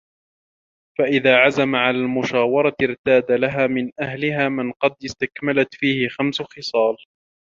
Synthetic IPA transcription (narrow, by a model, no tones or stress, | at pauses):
faʔɪðaːʕazamaʕalaːlmʊʃaːwɑɾˤɑɪɾt̪aːd̪alaɦaːmɪnʔahlɪɦaːmɪnqɑd̪ɪst̪akmalat̪fiːhɪxamsʊxɪsˤɑːl